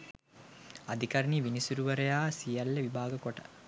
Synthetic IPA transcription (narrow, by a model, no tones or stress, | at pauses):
ɐd̪ikɐɾniʋinisuɾuʋɐɾejaːsijɐlːeʋibaːɡɐkoʈɐ̥